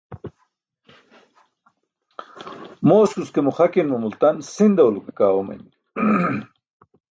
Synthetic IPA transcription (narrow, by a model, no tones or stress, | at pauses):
moːskuskemuχɐkinmumult̪ɐnsind̪ɐwlukekaːwomɐ̰n